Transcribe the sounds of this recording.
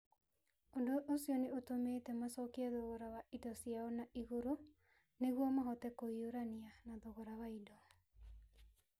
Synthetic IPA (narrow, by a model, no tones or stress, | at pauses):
ondoʔːsiɔneotometɛmasɔkiaðoɣoɾawaʔidɔsijaɔnaʔiɣoɾo | neɣwɔmaɦɔtɛkoioɾanianaðoɣoɾawaidɔ